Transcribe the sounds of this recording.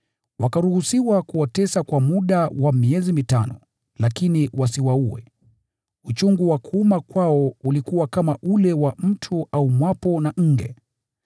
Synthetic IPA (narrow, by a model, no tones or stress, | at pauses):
wakaɾuhusiwakuwatɛsakwamuɗawamiɛzimitanɔ̰ | lakiniwasiwauwɛ̰ | ut͡ʃuŋɡuwakuumakwaɔulikuwakamaʔulɛwam̩tʰuʔaumwapɔnaʔŋ̩ɡɛ̰